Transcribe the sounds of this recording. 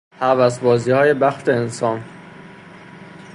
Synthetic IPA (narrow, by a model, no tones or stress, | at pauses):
hævæs̬bɒːziːhɒːje̞bæxt̪ʰeːnsɒːn